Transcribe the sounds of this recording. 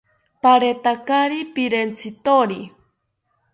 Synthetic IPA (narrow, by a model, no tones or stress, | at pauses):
paɾet̪akaɾipiɾent͡sʰit̪oɾi